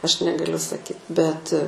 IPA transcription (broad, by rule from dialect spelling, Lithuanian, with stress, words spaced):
ˈɐʃ nʲɛɡɐˈlʲʊ sɐˈkʲiːt bʲɛt